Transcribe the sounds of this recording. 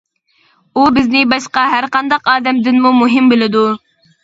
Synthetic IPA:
ubɪznɪbɑʃqɑɦæɾqɑnd̪ɑqɑːd̪ɛmd̪ɪnmumuɦɪmbɪlɪd̪u

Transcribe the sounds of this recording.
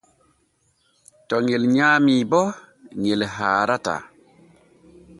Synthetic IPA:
tɔŋelɲaːmibɔ | ŋelɦaːɾata̰

